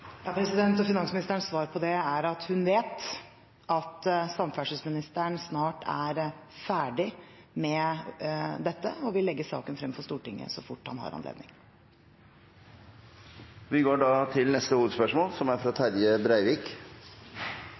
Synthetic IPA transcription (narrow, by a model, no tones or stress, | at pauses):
jɑːpʰɾɛsɪd̪ɛnt̪ɔfɪnɑnsmɪnɪst̪əɳsʋɑːɾpʰɔd̪ɛæɾɑt̪hʉnʋeːt̪ | ɑt̪sɑmfæʂəsmɪnɪst̪əɳsnɑːʈæ̰ɾfæːɖɪmɛ | d̪ɛt̪ːə̰ɔʋɪlːɛɡːəsɑ̰ːkənfɾɛmfɔst̪uːʈɪŋːə̰sɔfʊʈːhɑ̰nhɑ̰ɾɑ̰nlḛːd̪nɪ̰ŋ | ʋɪɡoːɖɑːt̪ʰɪlnɛst̪əhuːʋəd̪spœʂmoːlsɔmæɾfɾɑt̪ʰæɾjəbɾæɪʋiːk